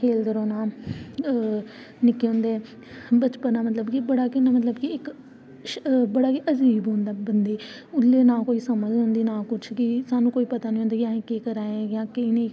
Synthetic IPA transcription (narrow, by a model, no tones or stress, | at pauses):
kʰeːld̪əɾɔːnaː | nɪkːeːɦʊ̃ːnd̪eː | bət͡ʃpənaːmət̪ləbkibəɽaːkɪnaːmət̪ləbkiɪk | ʃbəɽaːkiʔəd͡ʒiːbɦõːnd̪aːbənd̪eː | ʊlːeːnãːkoːiːsəməd͡ʒɦʊ̃ːnd̪iːnaːkʊt͡ʃʰkɪsaːnũːkoːiːpət̪aːnĩːoːnd̪eːjãːẽːkiːkəɾaːẽːɡjãːkɪɪnẽː